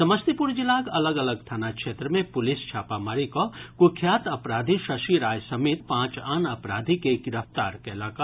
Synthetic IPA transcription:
sɐməst̪ipuɾd͡ʒɪlaːkɐləɡɐləɡ̚t̪ʰaːnakʃeːt̪ɾəmẽpʊlɪst͡ʃʰaːpamaːɾikɔkʊkʰjaːt̪ɐpɾaːd̪ʱiʃɐʃiɾaːjsɐmeːt̪pãːt͡ʃaːnɐpɾaːd̪ʱikeɡɪɾəft̪aːɾkelaːka

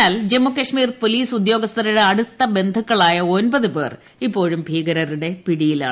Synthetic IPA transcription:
aːld͡ʑe̞mːukɐʂmiːrpo̞liːsud̪jo̞ːɡɐst̪ʰɐɾuɽeɐɽut̪ːɐbe̞nd̪ʱukːɐɭaːjɐo̞nbɐðɨpe̞ːr | ipːo̞ːɻumbʱiːɡɐɾɐruɽe̞piɽijila̰ː

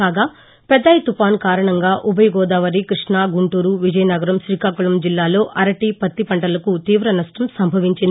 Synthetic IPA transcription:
kaːɡaː | pɛd̪ːɐjt̪upaːnkaːɾɐɳɐŋɡaːʔubɐjɡɔːd̪aːʋɐɾikɾiʂnaːɡuɳʈuːɾuʋid͡ʒɐjɐnɐɡɐɾɐmʃɾiːkaːkulɐmd͡ʒilːaːlo̞ːʔɐɾɐʈiːpɐt̪ːipɐɳʈɐlɐkut̪iːʋɾɐnɐʂʈɐmsɐmbʱɐʋiɲt͡ʃind̪

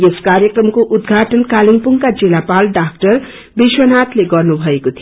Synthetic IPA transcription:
jeskaɾjʌkrʌmkoʔud̪̚ɡʱaʈʌnkaliŋpuŋkad͡zilapalɖak̚ʈʌr | biswʌnat̪leɡʌrnubʱʌekot̪ʰij

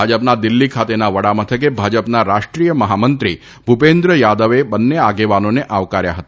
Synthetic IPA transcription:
ad͡ʒəp̚nad̪ɪlːikʰat̪enaʋəɽamət̪ʰək̬ebʱad͡ʒəpnaɾaʃʈɾijəməɦamənt̪ɾi | bʱupend̪ɾəjad̪əʋebənːeaɡeʋanoneʔaʋkaɾja̰ɦət̪

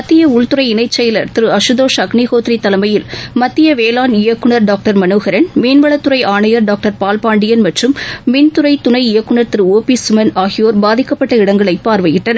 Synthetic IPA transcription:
mɐt̪ːɪjɐʊɭt̪ɯɾɐɪɪnɐɪt͡ʃːɛjɐlɐɾt̪ɪɾɯɐʂɯðoːʂɐkɳiɣoːt̪ɾit̪ːɐlɐmɐjɪlmɐt̪ːɪjɐʋeːlaːnɪjɐkːɯɳɐɾɖaːk̚ʈɐɾmɐnoːɣɐɾɐnmeːnʋɐɭɐt̪ːɯɾɐɪʔaːɳɐjɐɾɖaːk̚ʈɐɾpaːlpaːɳɖɪjɐnmɐʈrɯmːeːnt̪ʊɾɐɪt̪ʊnɐɪɪjɐkːɯɳɐɾt̪ɪɾɯoːpisʊmɐnaːɣɪjoːɾbaːðɪkːɐpːɐʈːɐɪɽɐŋɡɐɭɐɪpːaːɾʋɐjɪʈːɐnɐ

